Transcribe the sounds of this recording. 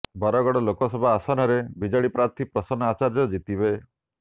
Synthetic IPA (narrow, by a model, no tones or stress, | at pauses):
bɔɾɔɡɔɽɔlokɔsɔbʱɔasɔnɔɾebid͡ʒaɽipɾat̪ʰipɾɔsɔnat͡ʃaɾd͡ʒjɔd͡ʒit̪ibe